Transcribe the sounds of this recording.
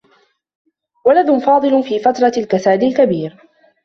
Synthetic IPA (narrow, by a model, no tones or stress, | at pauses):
walaðʊnfɑːd̪ˤɨlfiːfat̪ɾˤɑlkasaːd̪ɪlkabiːɾ